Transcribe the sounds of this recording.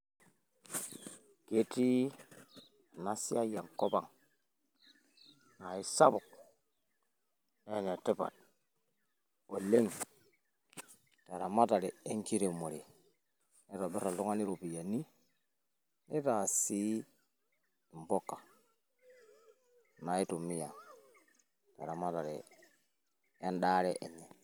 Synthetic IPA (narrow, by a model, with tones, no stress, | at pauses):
ɡe˦ti˦ | a˨na˦si˦a˦ja˨ŋko˦ba˨ŋ | na˨i˦sa˦bu˨k̚ | ne˦˨ne˨ti˦pa̰˨t̚ | o˨le˦ŋ | ta˨ɾa˨ma˦ta˨ɾi˨e˦ŋki˦ɾe˨mo˨ɾi˨ | ne˦ɾo˨bi˦ɾa˨lu˦ŋa˦ni˦ɾo˨pi˨ja˨ni˦ | ne˦ta˨si˦ | i˨mbo˦kːḁ˨ | na˨i˦to˨mi˦ja˨ | ta̰˨ɾa˨ma˦ta˨ɾḛ˨ | ja˦nɗa˦ɾe˦ʔe˨ɲe˨